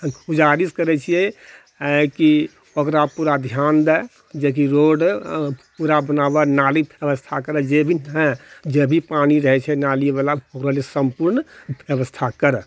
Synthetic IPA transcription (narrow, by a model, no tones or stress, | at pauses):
ud͡ʒaɾiskəɾɛt͡ʃʰijɛ | ki | okɾapuɾad̪ʱjand̪ɛ | d͡ʒek̬iɾoɖpuɾabənabanalibjəʋəst̪ʰakəɾɛd͡ʒebʱinɦɛ̃d͡ʒebʱipaniɾəɦɛt͡ʃʰɛnalibalaokɾalesəmpuɾnbjəbəst̪ʰakəɾɛ